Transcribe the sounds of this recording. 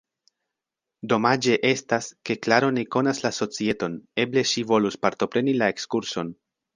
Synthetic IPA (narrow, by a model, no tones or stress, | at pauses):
do̞mad͡ʒe̞ʔe̞staske̞klaɾo̞neko̞naslaso̞t͡sie̞to̞ne̞ble̞ʃivo̞luspaɾto̞pɾe̞nilae̞kskuɾso̞n